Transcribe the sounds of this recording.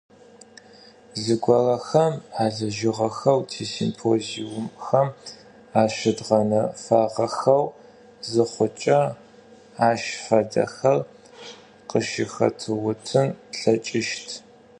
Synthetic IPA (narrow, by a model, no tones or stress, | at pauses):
zɨɡʷɔrɐxɐmaːɮɐʒɪʁɐxɐwtʰeːsḭmpʰoːziwʊmxɐm | aːʃɐdʁɐnɐfaːʁɐxɐw | zɨχʷʊt͡ʃʼɐ | aːʃfɐdɐ̰xɐr | qəʃɪxɐ̰tʰɨwʊtʰɨnɬɐt͡ʃʼɪʃtʰ